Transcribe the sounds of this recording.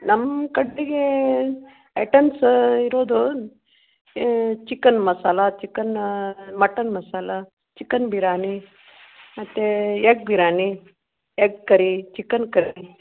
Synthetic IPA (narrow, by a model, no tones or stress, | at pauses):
nɐmkɐɖiɡe | eʈɐnsiɾoːd̪u | t͡ʃikːɐnmɐsaːlɐt͡ʃikːɐnmɐʈːɐnmɐsaːlɐ | t͡ʃikːɐnbʱiɾaːni | mɐt̪ːejeɡ̚bʱiɾaːni | eɡ̚kɐɾit͡ʃikɐnkɐɾi